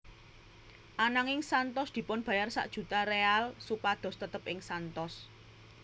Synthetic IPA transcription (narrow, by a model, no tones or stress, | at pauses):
ʔanaŋɪŋsant̪ɔsd̪̥i̤pʊnb̥ä̤jarsa̰ʔd̥ʒ̥ṳt̪arealsupad̪̥ɔ̤st̪ət̪əpʔɪŋsant̪ɔs